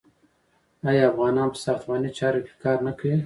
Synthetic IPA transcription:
ɑjɑafɣɑːnɑːnpə̥sɑxt̪wɑnit͡ʃɑɾoke̥kɑːɾnakəi

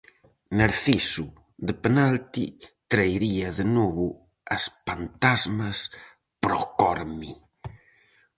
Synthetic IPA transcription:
naɾθisu | ðepenalt̪it̪ɾajɾiɐðenɔβʊ | ɐspant̪azmɐs | pɾɔ̰kɔɾmi

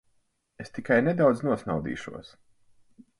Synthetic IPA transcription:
est̪ikajnɛd̪awd̪znuɔsnawd̪ḭːʃṵɔs

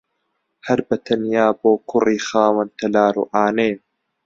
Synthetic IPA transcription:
hɐɾbɐt̪ʰɐnjaːboːkʰʊriːxaːwɐnt̪ʰɐlaːɾṵːʔaːneː

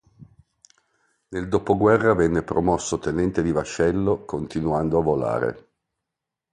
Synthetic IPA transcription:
neld̪opoɡwɛrːavɛnːepɾomɔsːot̪enɛnt̪ed̪ivaʃɛlːokʰont̪inuand̪oavola̰ːɾḛ

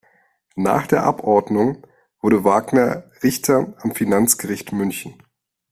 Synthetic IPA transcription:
na̰ːχd̥eːɐʔapʔɔɐdnʊŋ | v̥ʊɐɾəvaːɡnɐʁɪçtʰɐʔamfinant͡sɡ̥əʁɪçtmʏnçn̩

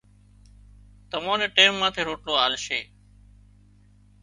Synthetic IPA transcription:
t̪əmõːneːʈeːmːãːt̪ʰeːɾoːʈloːaːlʃeː

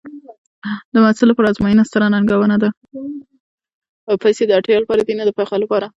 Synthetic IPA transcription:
d̪əmasɪlːapɑɾaːzmɑjinast̪aɾanaŋɡawənad̪a | əpajsed̪əaʈjɑlapɑɾad̪inad̪əpaxalapɑɾa

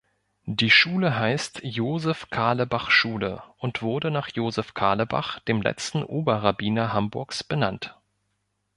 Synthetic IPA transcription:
d̥iːʃuːləɦaɪstjoːzɛfkʰaːləbaχʃuːlə̰ʔʊntv̥ʊɐdənaːχjoːzɛfkʰaːləba̰χd̥eːmlɛ̰t͡stn̩ʔoːbɐʁabiːnɐhambʊɐksb̥ənant

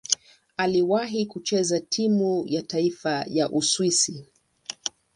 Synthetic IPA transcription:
aliwaɦikut͡ʃɛzatʰimujataifajaʔuswisi

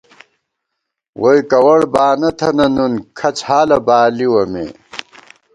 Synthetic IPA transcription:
wojkɐwɐɽbaːnɐt̪ʰɐnɐnunkʰɐt͡shaːlɐbaːliwɐmḛ

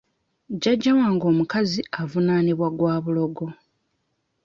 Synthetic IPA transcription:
ɟaɟːawaːŋɡo̞ːmukaziavunaniβwaɡwaːβulo̞ɡo̞

